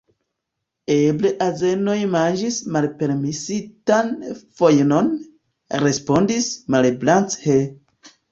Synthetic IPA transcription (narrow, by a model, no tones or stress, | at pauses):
ebleʔaze̞no̞jmand͡ʒismalpe̞ɾmisitanfojno̞n | ɾe̞spo̞ndismalblant͡she